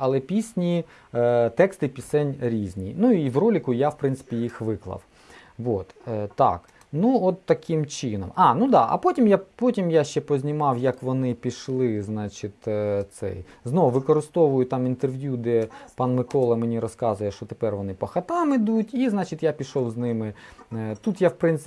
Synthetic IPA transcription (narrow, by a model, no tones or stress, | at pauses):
ɐlˠɛpʲisʲnʲi | t̪ɛkst̪ɪpʲisɛnʲɾʲizʲnʲḭnuiwrɔlʲɪkʊjawpɾɪnsɪ̥pʲijixʋɪklˠɐ̰w | ʋot̪ːɑ̰k | nuɔt̪ːɐkɪmt͡ʃɪnɔ̰mɑnud̪ɑ̰ʔɐ̰pɔtʲimjapɔtʲimjaʃt͡ʃɛpɔzʲnʲimɑwjɐkʋɔnɪpʲiʃlˠɪznɑt͡ʃɪt̪t̪sɛ̰jznɔʋʊʋɪkɔɾɪst̪ɔʋʊjʊt̪ɑmint̪erʋjud̪ɛpɑnmɪkɔlˠɛmenʲiɾɔskɑzʊjɛʃɔt̪epɛrʋɔnɪpɐxɐt̪ɑmɪd̪utʲiznɑt͡ʃɪt̪japʲiʃɔwznɪmɪt̪ut̪jawpɾɪnsɪ